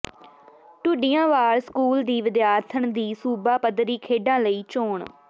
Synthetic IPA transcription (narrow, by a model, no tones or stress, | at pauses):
ʈʊɖɪjãːʋaːɾskuːld̪iːʋɪd̪jaːɾt̪ʰəɳd̪iːsuːbaːpəd̪ɾiːkʰeːɖãːləiːt͡ʃoːɳ